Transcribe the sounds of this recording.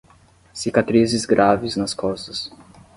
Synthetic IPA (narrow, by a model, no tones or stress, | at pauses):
sikat̪ɾizɪzɡɾʔavɪznɐskɔst̪ɐs